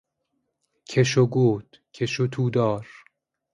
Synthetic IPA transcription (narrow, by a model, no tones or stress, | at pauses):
kʰeʃoɡoːt̪ | kʰeʃot̪ʰuːd̪ɒːɾ